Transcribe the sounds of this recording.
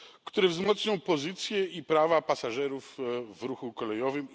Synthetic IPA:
kt̪uɾɛvzmɔt̪sɲɔ̃w̃pɔzɘt̪sʲjɛipɾavapasaʐɛɾufvɾuxukɔlɛjɔvɘm

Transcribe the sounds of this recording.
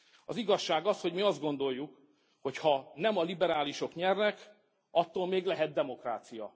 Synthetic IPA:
ɒziɡɒʃːaːɡɒsho̞ɟmiɒzd̪ɡo̞nd̪o̞jːuk | ho̞chɒnɛmɒlibɛɾaːliʃo̞kɲɛrnɛk | ɒt̪ːoːlmeːɡlɛɦɛt̪̚d̪ɛmo̞kra̰ːt̪sijɒ

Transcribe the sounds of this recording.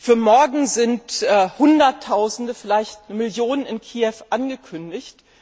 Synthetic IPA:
fyːɐmɔɐɡŋ̩zɪntʔɛːhʊndɐtʰːaʊzn̩dəfɪlaɪçtnəmɪljoːnənɪnkʰiːɛfʔanɡəkʰʏndɪçt

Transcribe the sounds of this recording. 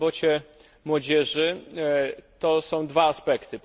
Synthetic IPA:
bɔt͡ɕɛ | mwɔd͡ʑɛʐɘ | t̪ɔsɔ̃w̃d̪vaːspɛkt̪ɘp

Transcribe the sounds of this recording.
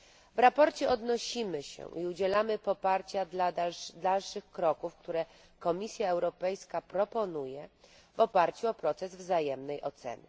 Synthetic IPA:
vɾapɔɾt͡ɕɛɔd̪nɔɕimɘɕɛ̰ʔiud͡ʑɛlamɘpɔpaɾt͡ɕad̪lad̪alʂɘxkɾɔkufkt̪uɾɛ | kɔmʲisʲjaɛwɾɔpɛjskapɾɔpɔnujɛ | vɔpaɾt͡ɕuɔpɾɔt̪sɛzvzajɛmnɛjʔɔt̪sɛ̰nɘ̰

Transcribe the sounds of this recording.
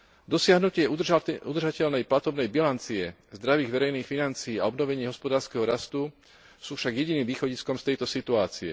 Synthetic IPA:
d̪ɔsɪaɦnucɪɛud̪r̩ʒacɛʎnɛjplat̪ɔbnɛjbilant͡siɛ | zd̪ɾaʋiːɣʋɛɾɛjniːxfinant͡siiːaɔbnɔʋɛɲɪɛɦɔspɔd̪aːɾskɛɦɔɾast̪u | suːfʃaɡjɛɟiniːmʋiːxɔɟiskɔmst̪ɛjt̪ɔsit̪uaːt͡siɛ̰

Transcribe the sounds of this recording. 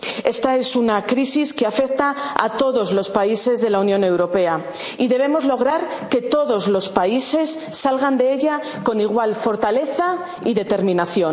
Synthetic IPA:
e̞st̪ae̞sunakɾisiskeafe̞k̚t̪aa̰t̪o̞ðo̞zlospaise̞zðe̞launjõ̞ne̞wɾo̞pe̞a | iðe̞β̞e̞mo̞zlo̞ɣ̞ɾaɾke̞t̪o̞ðo̞zlo̞spaise̞sːalɣand̪e̞e̞ʎa | ko̞niɣwalfo̞ɾt̪ale̞θa | iðe̞t̪e̞ɾmĩnaθjo̞

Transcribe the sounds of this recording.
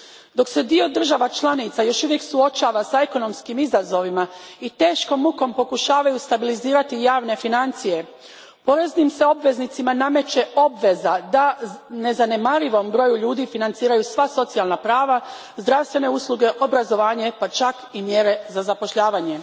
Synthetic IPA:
d̪o̞kse̞d̪io̞d̪r̩ʒaʋat͡ʃlˠanit̪sajo̞ʃuʋje̞ksuo̞t͡ʃaːʋasae̞ko̞no̞mskimizazo̞ʋimait̪e̞ːʃko̞muko̞mpo̞kuʃaːʋajust̪abiliziːɾat̪ijaːʋne̞finant̪sije̞ | po̞ɾe̞znimse̞o̞bʋe̞znit̪simaname̞t͡ʃe̞o̞bʋe̞zad̪ane̞zane̞maɾiʋo̞mbɾo̞juʎuːd̪ifinant̪siːɾajusʋaso̞t̪sialˠnapɾaːʋa | zd̪ɾaʋst̪ʋe̞ne̞uslˠuɡe̞ʔo̞bɾazo̞ʋaːɲepat͡ʃakimje̞ɾe̞zazapo̞ʃʎaːʋaːɲe̞

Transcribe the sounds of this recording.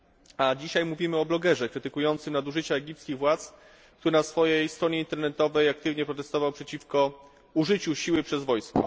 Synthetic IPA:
ad͡ʑiɕajmuvʲimɘɔblɔɡɛʐɛkɾɘt̪ɘkujɔnt̪sɘmnad̪uʐɘt͡ɕaɛɡʲipt̪skʲiɣvwat̪s | k̚t̪uɾɘnasfɔjɛjst̪ɾɔɲeɛint̪ɛɾnɛt̪ɔvɛjak̚t̪ɘvɲɛpɾɔt̪ɛst̪ɔvawpʂɛt͡ɕifkɔ | uʐɘt͡ɕuɕiwɘpʂɛzvɔjskɔ̰

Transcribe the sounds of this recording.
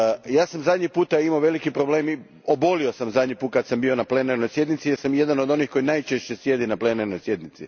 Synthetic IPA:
jaːsamzad̪ɲipuːt̪aimaʋe̞likipɾo̞ble̞ːmi | o̞bo̞lio̞samzad̪ɲipuːt̪kat̪sambio̞naple̞neɾno̞jsje̞d̪nit̪sijeɾsamje̞d̪anod̪o̞nixko̞jinajt͡ʃeʃt͡ɕe̞sje̞d̪inaple̞nerno̞jsje̞d̪nit̪si

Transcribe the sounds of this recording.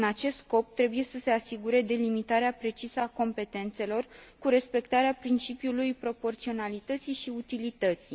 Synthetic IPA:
ɨnat͡ʃe̞st̪sko̞p̚t̪ɾe̞buje̞səse̞asiɡuɾe̞d̪e̞limit̪aɾeapɾe̞t͡ʃisəako̞mpe̞t̪e̞nt̪se̞lo̞rkuɾe̞spe̞kt̪aɾeapɾint͡ʃipjulujpɾo̞po̞rt̪sio̞nalit̪ət̪siʃiut̪ilit̪ət̪si

